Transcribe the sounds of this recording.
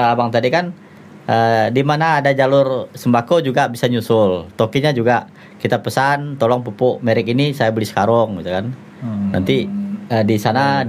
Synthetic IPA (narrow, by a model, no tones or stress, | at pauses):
abaŋt̪adikan | ʔədimanaːdad͡ʒalʊrsəmbakod͡ʒuɡabisaɲusʊlt̪okiɲad͡ʒuɡa | kit̪apəsant̪olɔŋpupʊʔmeɾɪkinisajabəlisə̥kaɾɔŋɡit̪ukan | nant̪iədisana